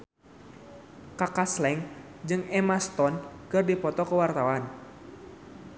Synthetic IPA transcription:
kakaslɛŋ | d͡ʒɨŋɛmast̪ɔnkɨrdipɔt̪ɔkəwart̪awan

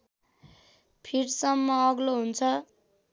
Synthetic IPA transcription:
pʰiɾsʌmːʌːɡloɦunt͡sʰʌ

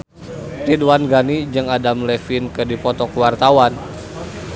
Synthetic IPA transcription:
riduwanɡanid͡ʒɨŋadamlefinkɨdipɔt̪ɔkwart̪awan

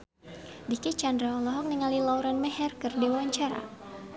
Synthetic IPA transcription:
dikit͡ʃandɾaɔlɔɦɔk̚niŋalilauɾanmɛɦɛrkɨrdiwaaɲt͡ʃaɾa̰

